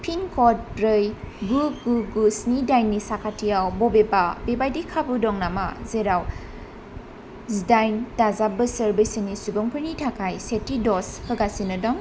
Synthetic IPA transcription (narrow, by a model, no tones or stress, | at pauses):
pʰiŋkʰɔd̚ɾɯjɡuɡuɡusnidajnːisakʰatʰijawbɔbebabebajdikʰabudɔŋnamazeɾaw | sdajndazap̚bɯsəɾbɯjsinisubɯŋpʰɯɾnitʰakʰajsetidɔshʰɯɡasinɯdɔŋ